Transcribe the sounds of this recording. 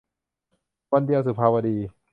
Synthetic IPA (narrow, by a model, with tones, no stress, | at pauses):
wa˧ndi˧ɐ˧wsu˨˩pʰaː˧wa˧diː˧